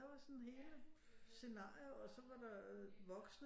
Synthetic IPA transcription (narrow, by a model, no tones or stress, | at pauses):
ɑ̈ʋɑ̈sɔnhe̝ːlə | se̝nɑ̈ːioɒ̽sɒ̽ʋɑ̈d̥ɑ̈ʋɒ̽ɡ̥sn